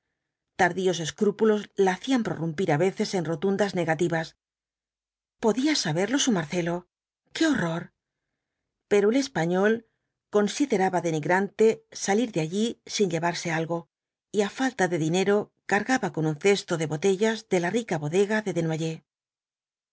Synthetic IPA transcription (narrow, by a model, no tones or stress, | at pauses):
t̪aɾðio̞s̬e̞skɾupulo̞zlaːθiampɾo̞̰rumpiɾaβe̞θe̞se̞nro̞t̪und̪azne̞ɣat̪iβas | po̞ðiasaβe̞ɾlo̞sumaɾθe̞lo̞ | ke̞o̞ro̞ɾ | pe̞ɾoele̞spaɲo̞l | ko̞nsiðe̞ɾaβaðe̞niɣɾant̪e̞saliɾðeaʎisiɲʎe̞βaɾse̞alɣo̞ | iafalt̪aðe̞ðine̞ɾo̞ | kaɾɣaβako̞nunθe̞st̪o̞ðe̞βo̞t̪e̞ʝazðe̞larikaβo̞ðe̞ɣaðe̞ðe̞nwaʝe̞